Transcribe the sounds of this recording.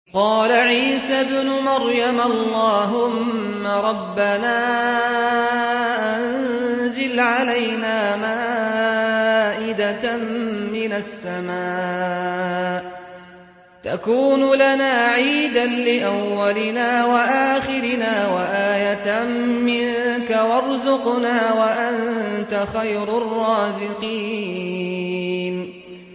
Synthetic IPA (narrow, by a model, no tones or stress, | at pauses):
qɑːlaʕiːsabnʊmaɾjamllːɑːɦʊmː | aɾˤɑbːanaː | ʔannzɪlʕalajnaːmaː | ʔɪd̪a | mɪnasːamaː | ʔ | t̪a̰kuːnʊlanaːʕiːd̪anlɪʔawːalɪnaːwaʔaːxɪɾɪnaːwaʔaːjat̪ | mɪŋkawɑɾˤzʊqnaːwaʔant̪axajɾʊrˤːɑːzɪqiː | n